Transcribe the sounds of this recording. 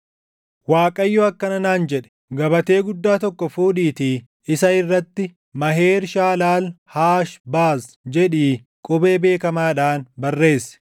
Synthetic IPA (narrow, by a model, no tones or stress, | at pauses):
waːkʼɐjːɔɐkːɐnɐnaːnd͡ʒɛᶑɛ̥ | ɡɐbɐt̪e̞ːɡʊd̪ːaːt̪ɔkːɔfuːdiːt̪iː | ɪsɐɪrːɐt̪ːɪ | mɐɦe̞ːɾʃaːlaːlhaːʃbaːs | d͡ʒɛᶑiː | kʼʊbe̞ːbe̞ːkɐmaːᶑaːnbɐrːe̞ːsːɛ̥